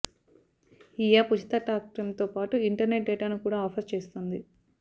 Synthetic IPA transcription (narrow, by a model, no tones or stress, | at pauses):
ijaːput͡ʃi̥t̪ɐʈaːk̚ʈɐmt̪o̞ːpaːʈuiɳʈɐɾne̞ʈ̚ɖeːʈaːnukuːɽaːɐpʰɐɾt͡ʃe̞ːst̪ond̪i